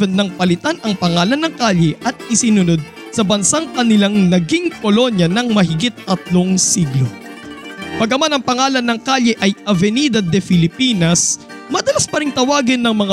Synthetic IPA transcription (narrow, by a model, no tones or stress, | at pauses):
ɛnːɐŋpɐlɪt̪anʔɐŋpɐŋaːlɐnːɐŋkaʎɛʔɐt̪̚ɪsɪnʊno̞d̪̚ | sɐbɐnsaŋkɐnɪlaŋnɐɡiŋkolo̞njɐnɐŋmɐɦɪɡit̪̚ːɐt̪loŋsiɡlo | pɐɡɐmanɐŋpɐŋaːlɐnːɐŋkaʎɛʔɐjʔɐvɛniːd̪ɐd̪ɛfɪlɪpiːnɐs | mɐd̪ɐlaspɐɾɪŋt̪ɐwaːɡɪnːɐŋmɐŋa